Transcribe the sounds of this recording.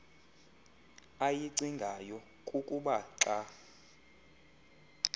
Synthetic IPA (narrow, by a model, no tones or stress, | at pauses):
ajiǀiŋɡʱajɔ | kʼukʼuɓaǁa